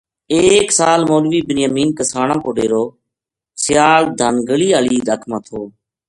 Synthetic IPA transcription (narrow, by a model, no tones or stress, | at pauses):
eːksaːlmoːlʋiːbɪnjəːmiːnkəsaːɳãːkoːɗeːɾoː | sɪjaːɾd̪ʱaːnɡəɭiːaːɭiːɗ̪əkʰmãːt̪ʰoː